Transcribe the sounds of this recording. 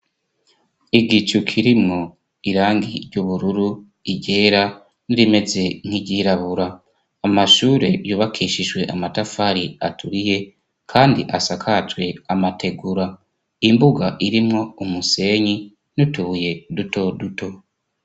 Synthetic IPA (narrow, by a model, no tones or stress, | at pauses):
iɡit͡ʃukʰiɾimŋo̞ | iɾaːŋɡiɾɟuβuɾuɾu | iɟe̞ːɾa | niɾime̞ze̞ŋ̥iɟiːɾaβuɾaː | maʃuːɾe̞juːβakʰiːʃiʒɡwe̞ʔamatafaɾiatʰuɾije̞ | kʰaːndḭʔasakʰat͡ʃwe̞amatʰe̞ɡuɾa | imbuɡaʔiɾimŋo̞umuse̞ːɲi | nutuje̞duto̞duto̞